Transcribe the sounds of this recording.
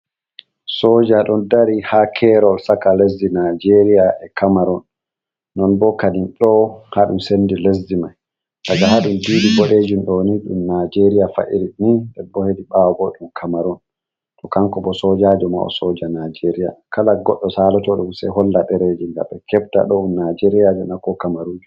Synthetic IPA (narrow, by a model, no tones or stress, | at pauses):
sɔːd͡ʒaɗɔndaɾihakʰɛɾɔlsakales̬dinad͡ʒeɾijaʔɛkamaɾɔnː | ɔnbɔkaninɗɔhaɗumsendiles̬dimaj | ɗaɡahaɗumdiːdiɡɔɗeːd͡ʒinɗɔniɗṵmnad͡ʒeɾijafa̰ʔiɾiɗniɛbɔhediɓawaboɗumkʰamaɾɔn | tɔkaŋkɔbɔsɔd͡ʒad͡ʒɔma̰ɔ̰sɔd͡ʒanad͡ʒeɾija̰kalaɡɔɗːɔsalɔtɔɗumsɛ̰ɦɔlːaɗɛɾed͡ʒiŋɡa̰ɓɛkɛb̚ta̰ɗɔumnad͡ʒeɾijad͡ʒɔnakːɔkamaɾud͡ʒu